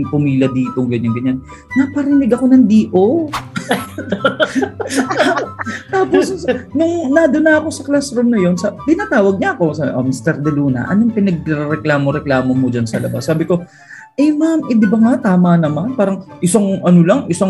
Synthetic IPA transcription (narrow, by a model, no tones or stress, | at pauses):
ŋpʊmiːlʲjɐd̪iːt̪o̞ŋɡɐɲaŋɡɐɲan | nɐpɐɾɪnɪɡɐko̞nɐŋd̪iːʔo | at̪aːposnʊŋnɐd̪ʊnaɐko̞sɐklasɾomnɐjo̞nsɐt̪ɪnaːt̪aːwɐɡ̚ɲɐʔɐko̞saʔomist̪ɛɾd̪ɛluːnɐ̰ʔɐ̰noŋpɪnɐɡ̚ɛɾɛɾɛklaːmoɾɛklaːmomod͡ʒɐnsɐlɐ̰basːaːbɪko̞ | ʔɐjmamʔɛd̪ɪbɐŋat̪aːmɐnɐmanpaːɾɐŋʔɪsaŋʔɐnolɐŋʔɪsaŋ